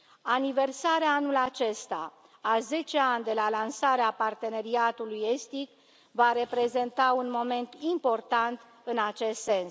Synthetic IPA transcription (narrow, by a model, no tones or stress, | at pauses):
anive̞rsaɾeaanulat͡ʃe̞st̪a̰ | aze̞t͡ʃe̞anʲd̪e̞lalansaɾeapart̪e̞ne̞ɾiat̪uluje̞st̪ik | vaɾe̞pɾe̞ze̞nt̪aunmo̞me̞nt̪impo̞rt̪ant̪ | ɨnat͡ʃe̞st̪se̞ns